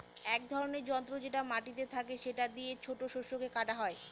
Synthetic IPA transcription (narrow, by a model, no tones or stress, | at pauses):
ɛk̚d̪ʱɔɾoneɾd͡ʑɔnt̪ɾod͡ʑeʈamaʈit̪̬et̪ʰakeʃeʈad̪iet͡ɕʰoʈoʃoʃokekaʈaɦɔe